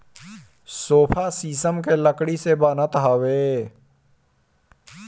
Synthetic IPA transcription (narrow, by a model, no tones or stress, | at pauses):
soːpʰaːsiːsəmk̬eləkɽisebaːnət̪ɦaːʋeː